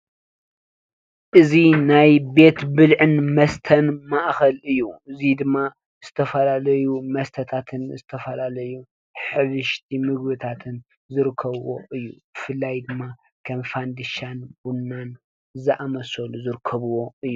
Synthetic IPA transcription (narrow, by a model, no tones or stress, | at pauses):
ʔɨzinajbe̞t̪bɨlʕɨnmɐst̪ʰɐnmaʔxɐlɨjːuɨzid̪ɨmːa | z̥ɨt̪ʰɐfɐlalɐjumɐst̪ʰɐt̪ʰat̪ʰɨnzɨt̪ʰɐfɐlalɐju | ħɨβɨʃt̪ʰimɨɡbɨt̪ʰat̪ʰɨn | zɨɾɨkʰːɐβwo̞̰ʔɨjːub̥ɨfɨlːajd̪ɨmːa | kʰɐmfand̪ɨʃanb̥unːan | zɐʔamɐsoluzɨɾkʰːɐβwoɨjːu